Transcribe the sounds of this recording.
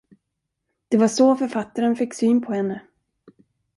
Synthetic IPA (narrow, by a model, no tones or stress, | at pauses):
d̪̥ɛvaʂofœɾfat̪ːaɾənfɪkːsyːnpʰɔhɛnːə